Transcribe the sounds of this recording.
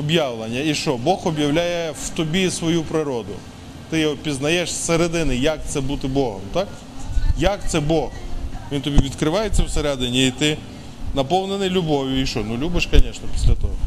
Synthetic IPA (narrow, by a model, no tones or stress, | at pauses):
ɔbjɑwlˠɐnʲːɐiʃt͡ʃɔbɔxɔbjɐwlʲajɛwt̪ɔbʲisʋɔjupɾɪɾɔd̪ʊ̰ | t̪ɪɔpʲiznɐjɛʃsseɾed̪ɪnɪjɐk̚t̪sɛbut̪ɪbɔɦɔ̰mt̪ɑk | jɐkt̪sɛbɔxʋʲint̪ɔbʲiʋʲid̪kɾɪʋɑjet͡sʲːɛwseɾad̪enʲiit̪ɪ | nɐpɔwnenɪjlʲʊbɔʋʲjʊiʃt͡ʃɔnulʲubɪʃkɐnʲɛʃnɐpʲi̥sʲlʲɐt̪ɔɦɔ